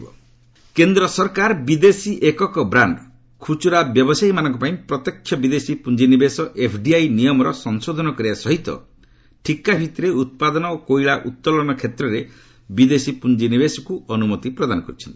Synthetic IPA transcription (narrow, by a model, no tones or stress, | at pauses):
bɔ | kend̪ɾɔsɔɾkaɾbid̪esiʔekɔkɔbɾaɳɖ | kʰut͡ʃuɾabjɔbɔsaimanɔ̃ŋkɔpaĩpɾɔt̪jɔkʰjɔbid̪esipund͡ʒinibesɔʔepʰɖiajnijɔmɔɾɔsɔŋsod̪ʱɔnɔkɔɾiasɔɦit̪ɔ̰ | ʈʰikabʱit̪ɾeut̪̚pad̪ɔnɔokoiɭaʔut̪ːɔlɔnɔkʰet̪ɾɔɾe | bid̪esipund͡ʒinibesɔkuɔnumɔt̪ipɾɔd̪anɔkɔɾit͡ʃʰɔnt̪i̥